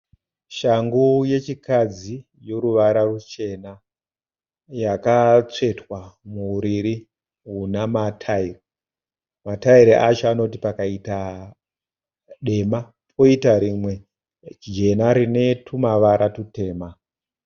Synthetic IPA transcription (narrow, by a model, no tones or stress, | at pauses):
ʃaŋɡuje̞t͡ʃikad͡zi | jo̞ɾuʋaɾarut͡ʃe̞na | jakat͡se̞twamuɾiɾi | ɦunamatʰairi | mataiɾeʔat͡ʃoano̞t̬ipakaita | ɗe̞ma | pʰo̞itaɾimwe̞ | d͡ʒe̞naɾine̞tʰumaʋaɾʔatute̞ːma